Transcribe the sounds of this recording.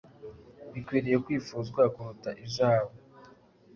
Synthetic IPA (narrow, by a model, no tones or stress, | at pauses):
βikwiːɾije̞kwiːfuːzɡwakuɾutaʔiʒaːβo